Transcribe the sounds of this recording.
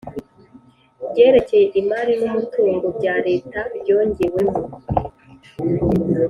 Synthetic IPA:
bɟe̞ːɾe̞cejeʔimaɾinumutuːŋɡobɟaːɾe̞ːtabjo̞ːɲɟiwe̞mo

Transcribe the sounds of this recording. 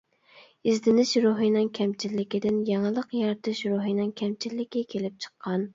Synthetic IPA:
izd̪ɪnɪʃɾoɦinɨŋkʲʰɛmt͡ʃʰilːɪkʲid̪ɪnjɑŋlˠəqjɑɾt̪ʰɨʃɾoɦinɨŋkʲʰɛmt͡ʃʰilːɪkʲɛkʲʰelɪp̚t͡ʃʰə̥qʰːɑn

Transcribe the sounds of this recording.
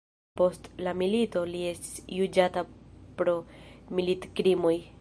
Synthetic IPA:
po̞stlamilito̞lie̞sti̥sjud͡ʒatapɾo̞militkɾimoj

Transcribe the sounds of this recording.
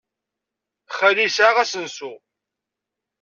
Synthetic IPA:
χəlisaʁæsənsu

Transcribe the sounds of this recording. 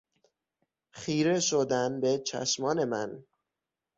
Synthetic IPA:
χiːɾeʃod̪ænbe̞t͡ʃʰæ̰ʃmɒːne̞mæ̰n

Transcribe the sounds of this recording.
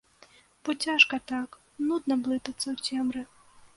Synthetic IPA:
b̥ɔt͡sʲaʂkɐt̪ak | nud̪nɐblˠɨt̪ɐt̪sːɐwtʲɛmɾɨ

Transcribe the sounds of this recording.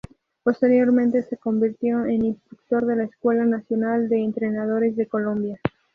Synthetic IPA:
po̞st̪e̞ɾjo̞ɾmẽnt̪e̞se̞ko̞mbiɾt̪jo̞eninst̪ɾuk̚t̪o̞ɾðe̞laeskwe̞lanasjo̞nald̪e̞ːnt̪ɾe̞nað̞o̞ɾe̞zðe̞ko̞lo̞mbja

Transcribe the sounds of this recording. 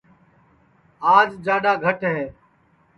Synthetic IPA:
aːd͡ʒd͡ʒaːɗaːɡʱəʈɦeː

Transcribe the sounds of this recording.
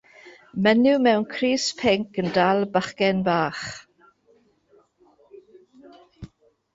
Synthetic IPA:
mɛnumɛwnkʰriːspʰɪŋkəndalˠbaχkɛnbaːχ

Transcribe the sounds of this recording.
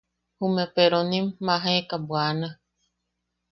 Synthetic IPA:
humepeɾonĩmːãɦaekabwanã

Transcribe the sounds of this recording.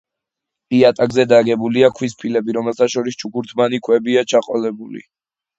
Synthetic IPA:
pʼiat̪ʼaɡzɛd̪aɡɛbuliakʰwispʰilɛbiɾɔmɛlˠt̪ʰaʃɔɾist͡ʃʰukuɾt̪ʰmanikʰwɛbiat͡ʃʰaqʼɔlɛbulḭ

